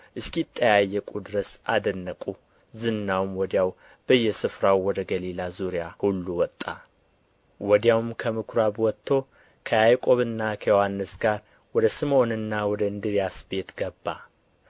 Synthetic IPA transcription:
ʔɨskit̪ʼːəjajːəkʼud̪ɨɾəsad̪ənːəkʼu | zɨnːawmwɔd̪jaw | b̥əjːɛsɨfɾawwɔd̪əɡəlilazuɾijahulːuwɔt̪ʼːa | wɔd̪jawmkʰəmɨkʰɾabwɔt̪ʰːo̞ | kʰəjajkʼo̞βɨnːakʰəjohanːɨsɡaɾ | wɔd̪əsɨmo̞nɨnːawɔd̪əɨnd̪ɨɾijasbe̞t̪ɡ̥əbːa̰

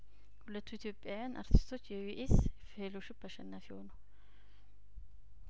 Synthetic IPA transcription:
hʊlːɐt̪ːuɪt̪joːpʼɪaːjanʔɐ̰ɾt̪ʰɪ̥st̪ʰot͡ʃːjɛwɪʔɪsfeloʃɪbɐʃɐnːaːfɪo̰ːnɐ̥

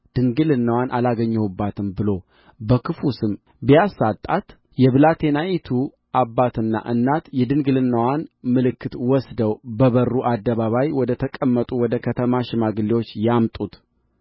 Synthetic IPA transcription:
d̪̥ɨŋɡɨlɨnːəwanʔalaɡəɲːɛhubːat̪ʰɨmbɨlo̞ | bəkʰɨfusɨm | bijasːat̪ʼːat̪ | jɛβɨlat̪ʰe̞najit̪ʰu | abːat̪ɨnːa̰ʔɨnːat̪jɛd̪ɨŋɡɨlɨnːəwanmɨlɨkːɨt̪wɔsd̪əwbəβərːuʔad̪ːəβaβajwɔd̪ət̪ʰəkʼəmːət̪ʼuwɔd̪əkʰət̪ʰəmaʃɪmaɡɨliwot͡ʃːjamt̪ʼut̪

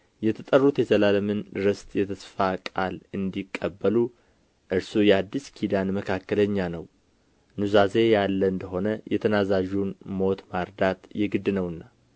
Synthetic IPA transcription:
jɛt̪ʰət̪ʼərːut̪jɛzəlaləmɨnɾɨst̪ʼjɛt̪ʰəsfakʼalɨnd̪ikʼːəbːəlu | ʔɨɾsujɛad̪ːiskʰid̪anməkʰakːələɲːanəw | nuzaze̞jalːəɨnd̪əɦo̞nəjʔɛt̪ʰənazaʒunmo̞t̪maɾd̪at̪jɛɡɨd̪ːɨnəwɨnːa

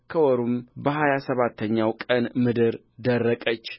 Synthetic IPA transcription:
kʰəwɔɾumbəɦajasəβat̪ʰːəɲːawkʼənmɨd̪ɨɾ | d̪ərːəkʼət͡ʃː

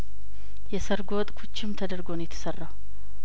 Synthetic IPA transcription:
jɛsəɾɡot̪ʼkʰut͡ʃːɪmt̪ʰəd̪əɾɡo̞njɛt̪ʰːə̥sərːaw

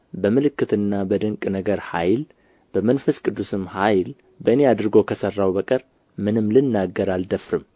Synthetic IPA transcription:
bəmɨlɨkːɨt̪ɨnːabəd̪ɨŋkʼnəɡəɾhajl | b̥əmənfəskʼɨd̪ːusɨmhajl | bəɨnead̪ɾɨɡo̞kʰəsərːawbəkʼəɾ | mɨnɨmːlɨnːaɡːəɾald̪əfɾɨm

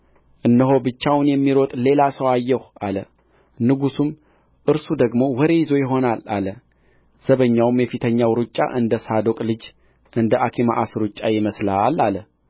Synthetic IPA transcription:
ʔɨnːəɦo̞bɨt͡ʃːawnjɛmːiɾot̪ʼle̞lasəwajːɛhʔalə | nɨɡusum | ʔɨɾsud̪əɡmo̞wɔɾejɪzo̞jɪɦo̞nala̰lə | z̥əβəɲːawmjɛfit̪ʰəɲːawɾɨt͡ʃʼːa̰ʔɨnd̪əsad̪o̞kʼlɨd͡ʒ | ʔɨnd̪əʔakʰima̰ʔasɾut͡ʃʼːajɪməslaalalə

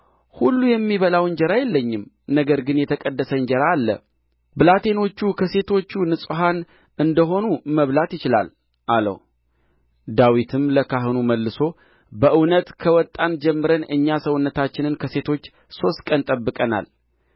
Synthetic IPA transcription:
hulːujɛmːiβəlawɲd͡ʒɛɾajɛlːəɲːɪm | nəɡəɾɡɨnjɛt̪ʰəkʼəd̪ːəsəɨɲd͡ʒəɾaːlːə̰ | bɨlat̪ʰe̞no̞t͡ʃːukʰəse̞t̪ʰo̞t͡ʃːunɨsʼɦan | ɨnd̪əɦo̞numəβlat̪jɪt͡ʃɪla̰l | ʔalə̰w | d̪awit̪ʰɨmləkʰaɦɨnuməlːɨso̞ | bəʔɨwnət̪kʰəwɔt̪ʼːand͡ʒɛmːɨɾənɨɲːasəwʊnːət̪ʰat͡ʃːɪnɨnkʰəse̞t̪ʰo̞t͡ʃː | so̞st̪kʼənt̪ʼəbːɨkʼəna̰l

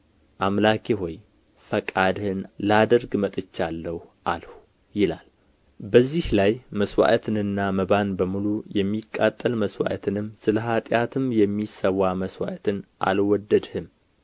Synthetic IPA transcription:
ʔamlakʰeɦoj | fəkʼad̪hɨnlad̪əɾɡmət̪ʼɨt͡ʃːalːəhuʔalhu | jɪlal | bəzːihlajməswa̰ʔt̪ʰɨnɨnːaməβanbəmulujɛmːikʼːat̪ʼːəlməswa̰ʔt̪ʰɨnɨmːsɨləɦat̪ʼjat̪ʰɨmjɛmːisəwaməswa̰ʔt̪ʰɨnʔa̰lwɔd̪ːəd̪hɨm

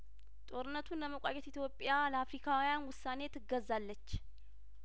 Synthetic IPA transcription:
t̪ʼo̞ɾɨnːət̪ʰunləməkʷʼajɛt̪it̪ʰjo̞pʼːjaləafɾikʰawjanwʊsːane̞t̪ʰːɨɡːəzːalːət͡ʃː

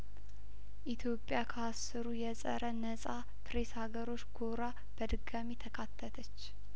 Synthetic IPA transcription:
ʔit̪ʰjo̞pʼjakʰəasːɨɾujɛsʼə̰ɾənəsʼa | p̪ʰɾe̞shaɡəɾo̞t͡ʃːɡo̞ɾa | b̥əd̪ɨɡamit̪ʰəkʰat̪ʰːət̪ʰət͡ʃː

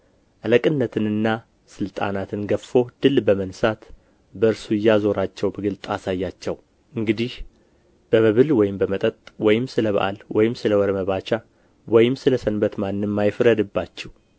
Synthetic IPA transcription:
ʔaləkʼɨnːət̪ʰɨnɨnːa | sɨlt̪ʼa̰nat̪ʰɨnɡəffo̞d̪̥ɨlbəmənsat̪ | bəɨɾsujːazo̞ɾat͡ʃːɛwbəɡɨlt̪ʼasajːat͡ʃːɛw | ʔɨŋɡɨd̪ih | b̥əməβɨlwɔjɪmbəmət̪ʼət̪ʼwɔjɪmsɨləβə̰ʔa̰lwɔjɪmsɨləwɔɾəməβat͡ʃa | wɔjɪmsɨləsənbət̪manːɨmːajɪfɾəd̪ɨbːat͡ʃːɛw

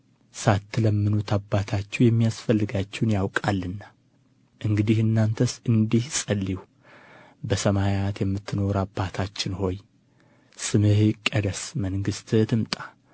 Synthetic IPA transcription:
sat̪ːɨləmːɨnut̪ʰabːat̪ʰat͡ʃːɛwjɛmːijasfəlːɨɡat͡ʃːɛwnjawkʼalːɨnːa | ʔɨŋɡɨd̪ihɨnːant̪ʰəsɨnd̪ihsʼəlːiw | bəsəmajat̪jɛmːɨt̪ʰːɨno̞ɾabːat̪ʰat͡ʃːɪnho̞j | sɨmɨhkʼəd̪əsməŋɡɨst̪ɨt̪ʰɨmt̪ʼa

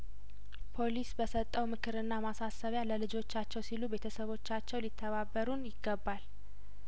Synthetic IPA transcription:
pʰo̞lisbəsət̪ʼːəwmɨkʰɨɾɨnːamasasəβjaləlɨd͡ʒo̞t͡ʃːat͡ʃːɛwsilube̞t̪ʰəsəβo̞t͡ʃːat͡ʃːɛwlit̪ʰːəβabːəɾunjɪɡːəbːal

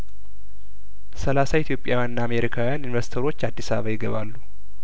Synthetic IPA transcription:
səlasait̪ʰjo̞pʼjawjannːaːme̞ɾikʰawijaninvəɾsi̥t̪ʰəɾo̞t͡ʃːad̪ːisaβa̰βajɪɡəβalːu

